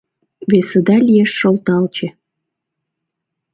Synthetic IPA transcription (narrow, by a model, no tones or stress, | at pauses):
βesə̆d̪ɑlʲijeʃːolt̪ɑlt͡ɕe